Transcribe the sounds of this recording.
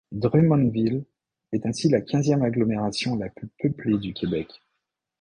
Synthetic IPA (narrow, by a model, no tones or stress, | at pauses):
d̪ʁymɔ̃nvil | ɛt̪ɛ̃silakʲɛ̃zjɛmaɡlɔmeʁasjɔ̃laplypøpled̪ykʰʲebɛk